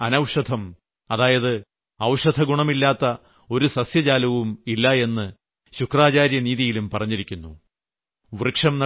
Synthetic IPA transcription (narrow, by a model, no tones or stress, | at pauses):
ɐnɐwʂɐd̪ʱɐm | ɐðaːjɐðɨ | ɐwʂɐd̪ʱɐɡuɳɐmilːaːt̪ːɐ | o̞ɾusɐsjɐd͡ʑaːlɐʋumilːɐe̞nːɨ | ɕukraːt͡ɕaːɾjɐniːðijilumpɐrɐɲːiɾikʲːunːu | ʋrɨkʂɐmnɐ